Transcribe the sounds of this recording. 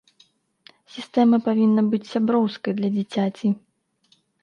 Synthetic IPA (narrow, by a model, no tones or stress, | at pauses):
sʲist̪ɛmɐpavʲinːɐbɨt͡sʲsʲabɾɔwskɐjd̪lʲɐd͡zʲit͡sʲat͡sʲi